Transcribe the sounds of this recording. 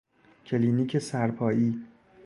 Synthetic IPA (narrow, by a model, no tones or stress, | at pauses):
cʰeliːniːcʰesæɾpʰɒːjiː